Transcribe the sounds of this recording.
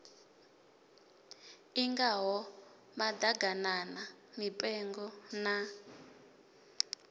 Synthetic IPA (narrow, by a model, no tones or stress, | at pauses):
iŋɡaɦɔ | mad̪aɡananamipʼɛŋɡɔna